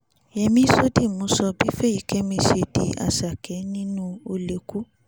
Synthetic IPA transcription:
jɛ˧mĩ˧˦so˦di˦˨mũ˨˦sɔ˧bi˦fe˦i˨kʰe˦mĩ˧ʃe˧dḭ˧a̰˨sa˨kɛ˨˦nĩ˦nũ˦o˧le˨ku˦

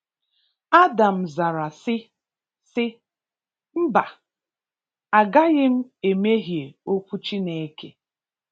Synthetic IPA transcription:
a˦da˨m̩˨za˨ɾa˨sɪ˦ | sɪ˦ | m̩˦ba˨ | a˨ɡa˦ɣɪ˦m̩˦e˨me˦ɦje˨o˦kʷu˦t͡ʃi˦ne˨e˦ke˦

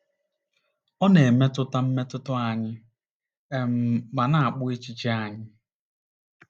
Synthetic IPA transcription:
ɔ˦ne˨e˨me˦tʊ˦ta˦m̩˦me˦tʊ˦tʊ˦a˨ɲɪ˦ | e˨m̩˦ba˨na˨a˨k͡pʊ˦e˦t͡ʃi˦t͡ʃi˦a˨ɲɪ˦

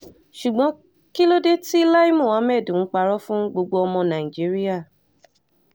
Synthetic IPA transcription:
ʃu˨ɡ͡bɔ̃˨˦ | ki˦lo˦de˦ti˦la˦i˦mũ˦˨ã˨˦mɛ˦˨dũ˨ŋ̩˦k͡pa˧ɾɔ˦fũ˦ɡ͡bo˧ɡ͡bo˧˦ɔ˧mɔ̃˧nã˨i˨d͡ʒi˦ɾi˦a˦˨

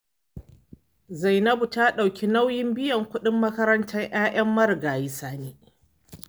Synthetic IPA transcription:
za˨jnɐ˦bu˨ta˦ɗa˨wkʲi˦na˦wjɪ˦mbɪ˦jɐ˨ŋkʷʊ˦ɗɪ˦mːɐ˦kɐ˦ɾɐ˦ntɐ˦ŋʔaː˦ʔɐ˦mːɐ˦ɾɡaː˨jɪ˦saː˨neː˦

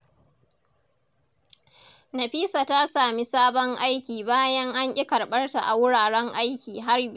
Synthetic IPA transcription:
na˨ɸiː˦sa˨ta˦saː˨mi˦saː˦bɔ˦ŋʔa˦jkʲiː˨baː˦jɐ˦ŋʔa˦ɲʔʲʼɪ˦kɐ˨ɽɓɐ˦rta˨ʔa̰˨wʊ˦ɽaː˨ɽɛ˦ŋʔa˦jkʲiː˨ɦa˦rb

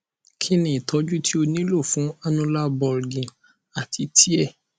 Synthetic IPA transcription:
kʰi˦nĩ˨i˨tʰɔ˨˧˦d͡ʒu˦tʰi˦o˧nĩ˦lo˦˨fũ˨˦a˧nũ˧la˦bɔ˨ɾɡĩ˨ | a˨tʰi˨˦tʰi˦ɛ˦˨

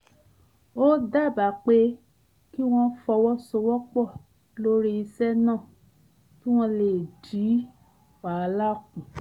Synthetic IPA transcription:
o˦da˦˨ba˨k͡pe˧˦ | ki˦w̃ɔ̃˦fɔ˧wɔ˦so˧wɔ˦k͡pɔ˦˨ | lo˦ɾi˦i˧sɛ˦nãː˦˨ | tũ˦w̃ɔ̃˧le˨di˨˦ | wa˨˧la˦˨kũ˨

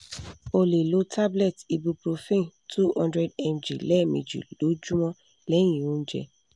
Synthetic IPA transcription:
o˧le˨lo˨˦tʰa˦blɛ˦˨ti˧bu˧pɾo˧fẽ˦˨tʰu˦hɔ̃˧ndɾɛ˧dɛ˧md͡ʒḭ˨lɛ˦˨mḛ˨d͡ʒḭ˨lo˨˦d͡ʒu˦mɔ̃˦ | lɛ̃˦ĩ˨ũ˦d͡ʒɛ̰˧

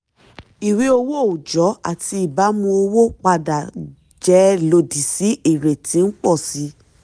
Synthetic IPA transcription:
i˨wi˨˦o˧wo˦˨o˨d͡ʒɔ˨˦a̰˦˨ti˧i˦˨ba˨˦mũ˧o˧wo˦k͡pa˧da˨ | d͡ʒɛ˨˦lo˧di˨si˨˦i˦˨ɾe˨tĩ˨˦n̩˦k͡pɔ˦˨si˨˧˦

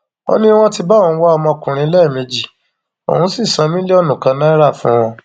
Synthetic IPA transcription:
o̰˦nĩ˦w̃ɔ̃˦ti˧ba˦wɔ̃˧˨˦wa˦ɔ˧mɔ̃˧kũ˨ɾ̃ĩ˧˦lɛ˦˨me˧d͡ʒi˨ | o̰˨hũ˨˦si˦˨sã˧mĩ˦le˦ɔ˦nũ˨kã˨˧nã˦i˦ɾa˦˨fũ˨˦w̃ɔ̃˧

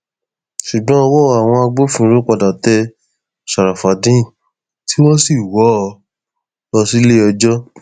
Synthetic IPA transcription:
ʃu˨ɡ͡bɔ̃˦ɔ˧wɔ˦˨a˨w̃ɔ̃˧a˧ɡ͡bo˦fĩ˧˦ɾu˦k͡pa˧da˨tɛ˧ | ʃa˨ɾa˨fa˨dĩ˦˨ | tʰi˦wɔ˦si˦˨wɔ˨˦˧ | ɔ˧si˦le˦ɔ˧d͡ʒɔ˦

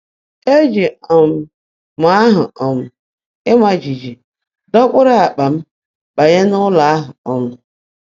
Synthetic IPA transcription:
e˦d͡ʒi˨ɔ˨m̩˨ | mʷa˦a˦ɦʊ̰˨ɔ˨mʊ˨ | ɪ˦mʷa˨d͡ʒi˨d͡ʒi˨ | dɔ˦kʷʊ˦ɾɪ˦a˨k͡pa˨m̩˦ | ɓa˨ɲe˦nʊ˦la˨a˦ɦʊ˨ɔ˨mʊ˨

